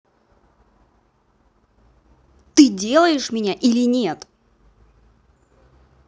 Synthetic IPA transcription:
t̪ɨdʲe̞lˠəjɪʂmʲɪnʲaʔilʲɪnʲe̞t̪

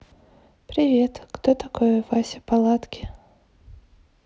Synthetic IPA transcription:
pɾʲɪvʲet̪kt̪ot̪ɐkojəvasʲɪ̥palˠat̪kʲɪ̥

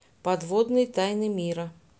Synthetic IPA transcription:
pad̪vɔd̪nɨjt̪ajnɨmʲiɾɐ

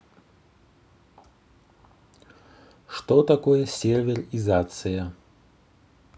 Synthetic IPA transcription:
ʂt̪ɔt̪akojɛsʲervʲɛrizat̪sɨjɐ

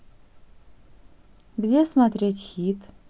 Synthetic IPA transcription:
ɡdʲesmatretʰʲxitʰʼ

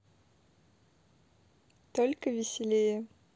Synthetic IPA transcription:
t̪olʲkəvʲɪsʲɪlʲejə

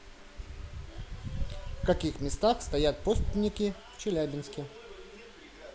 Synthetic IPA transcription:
fkɐkʲixmʲɪst̪axst̪ɐjat̪̚post̪ʲɪnʲɪkʲɪft͡ɕɪlʲæbʲɪnskʲɪ

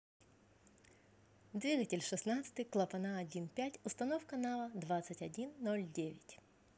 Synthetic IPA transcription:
d̪ʋʲiɡɐtʲɪlʲʂɨsnat̪sʲə̥t̪ɨklˠɐpɐnaɐdʲinpʲætʲʊst̪ɐnɔwkɐnaʋɐd̪ʋat̪sːɐtʲɐdʲinːɔlʲdʲeʋʲɪtʲ

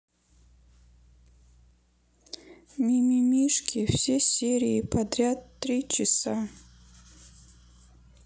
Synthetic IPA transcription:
nʲimʲimʲiʂkʲʰifsʲesʲeɾʲiːpʰɐd̪ɾʲat̪ːɾʲit͡ʃʰɪsa

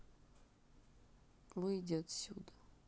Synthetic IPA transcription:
vɨjdʲat̪sʲud̪ə

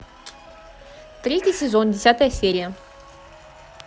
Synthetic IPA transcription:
t̪ɾʲetʲɪsʲɪzo̞ndʲɪsʲat̪əjəsʲeɾʲɪjə

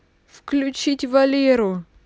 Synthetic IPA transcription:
fklʲʊt͡ɕitʲvɐlʲeɾʊ

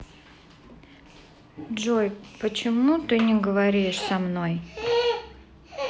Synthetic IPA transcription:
ʐojpət͡ɕɪmut̪ɨnʲɪɡəvɐɾʲiʂsɐmnoj

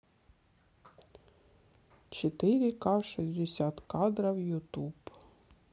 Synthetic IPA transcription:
t͡ʃet̪ɪɾʲikɑʃizʲd̪esʲat̪kɑd̪ɾɐwjʊt̪ub

